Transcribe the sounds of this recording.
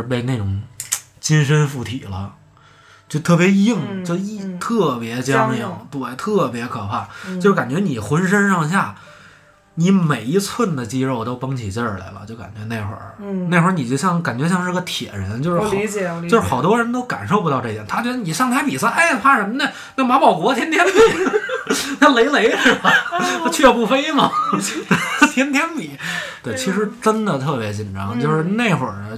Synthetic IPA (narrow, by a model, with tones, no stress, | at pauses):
p̬e˥˧ɪne˥˩ɪʈ͡ʂʊ˨˩ŋ | t͡ɕi˥nʂ̬ə˥nfu˥˩t̪ʰḭ˨˩lə˦ | t͡ɕjo˥˧ʊt̪ʰɤ˥˩pjɛ˧˥ji˥˩ŋt͡ɕjo˥˧ʊ˥˧˩t̪ʰɤ˥˩pjɛ˧˥t͡ɕjɑ˥ŋjɑ˥˩ŋŋpu˧a˧˩t̪ʰɤ˥˩pjɛ˧˥kʰɤ˨˩pʰa˥˩t͡ɕo˥˧ɻ̩˥˩ka˨˩nt͡ɕɥɛ˧˥ni˨˩xwə˧˥nʂ̬ə˥nʂɑ˥˧ŋɕ̬ja˥˩ | ni˧˥me˨˩ɪi˧˥t͡sʰwə˥˩nd̪ə˩t͡ɕi˥ɻo˥˩ʊt̪o˥ʊpɑ˥ŋt͡ɕʰi˨˩t͡ɕjə˞˥˩la̰˧˩ɪbɐ̰˦t͡ɕjo˥˩ʊka̰˨˩nt͡ɕɥɛ˧˥ne˥˧ɪxwə̰˞˥˩ne˥˩ɪxwə˧˥ni˨˩t͡ɕjo˥˧ʊɕjɑ˥˩ŋka˨˩nt͡ɕɥɛ˧˥ɕjɑ˥˧ŋʂɻ̩˥˧ɡə˧t̪ʰjɛ̰˨˩ɻə̰˧˥nt͡ɕjo˥˧ʊʂɻ̩˥˧˩o˧ʂɻ̩˥xɑ˨˩ʊt̪wɔ˥ɻə˧˥nt̪o˥ʊka̰˨˩nʂo˥˩ʊp̬u˧˥ɑ˥˧ʈ͡ʂɤ˥˧˩jɛ˨nt̪ʰt͡ɕwɛ˧˥d̪ə˧ni˨˩ʂɑ˥˩ŋt̪ʰa˧˥ɪpi˨˩sə˥˧ʔa˥˩˧fʰa˥ʂə˧˥nmə˥nə˥˧ | na˥˩ma˧˥pɑ˨˩ʊkwɔ˧˥t̪ʰjɛ˥nt̪ʰjɛ˥npi˨˩˦ | na˥˩le˧˥ɪle˧˥ɪ˥˩bɐ˨a˥˧t͡ɕʰɛ˥˧pu˥˩fe˥ɪmɐ˨˥˧ | t̪ʰjɛ˥nt̪ʰjɛ˥npi˨˩˦t̪we˥˩ɪt͡ɕʰi˧˥ʂɻ̩˧˥ʈ͡ʂə˥nd̪ə˨t̪ʰɤ˥˩pjɛ˧˥t͡ɕi˨˩nʈ͡ʂɑ˧˥ŋt͡ɕjo˥˧ʊʂɻ̩˥˧ne˥˩ɪxwə̰˨˩nə˦